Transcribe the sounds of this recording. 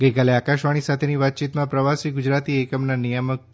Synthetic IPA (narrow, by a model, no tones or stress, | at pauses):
ɡəjkaleakaʃʋaɽ̃isat̪ʰeniʋat̪̚t͡ʃit̪mãpɾəʋasiɡʊd͡ʒɾat̪iekəmnanijəmək̚